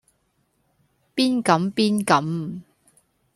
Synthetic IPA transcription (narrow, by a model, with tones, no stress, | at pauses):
piː˥nkɐ˨˥mpiː˥nkɐ˨˥m